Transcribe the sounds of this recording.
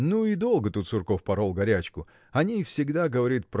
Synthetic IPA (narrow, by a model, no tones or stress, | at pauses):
nuɪd̪o̞lˠɡət̪ut̪sʊrko̞fpɐɾolˠɡɐɾʲæt͡ɕkʊ | ɐnʲifsʲɪɡd̪aɡəvɐɾʲit̪̚pɾ